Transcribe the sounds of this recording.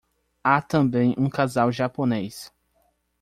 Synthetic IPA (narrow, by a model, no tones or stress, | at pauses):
at̪ɐ̃bẽj̃ũkazawʒaponejs